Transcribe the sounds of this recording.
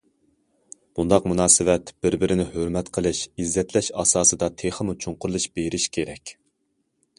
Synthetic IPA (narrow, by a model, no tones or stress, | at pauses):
b̥und̪ɑqmunɑːsɨwɛt̪b̥ɪɾbɪɾɪnɪhøɾmɛt̪qʰəlˠɨʃizːɛt̪ʰlɛʃɑ̰ːsɑːsɨd̪ɑt̪ʰeχəmut͡ʃʰuɴqʊɾlˠɨʃb̥eɾɪʃkʲʰeɾɛkʲ